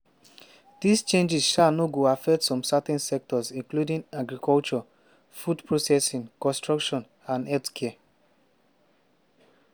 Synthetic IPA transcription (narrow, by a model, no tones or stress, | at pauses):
dist͡ʃẽnd͡ʒizʃanɔɡoafɛktsɔ̃msatɛ̃nsɛk̚tɔzĩnkludĩŋaɡɹikʰɔlt͡ʃɔ | fudpɹosɛsĩŋkɔ̃nstɹɔkʃɔ̃n | ãnɛtskʰɛa